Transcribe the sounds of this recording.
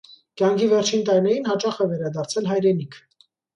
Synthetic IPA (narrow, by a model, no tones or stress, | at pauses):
kjɑŋkʰivɛɾt͡ʃʰint̪ɑjnɛjinhɑt͡ʃɑχɛvɛɾɑd̪ɑɾt͡sʰɛlɦɑjɾɛnikʰ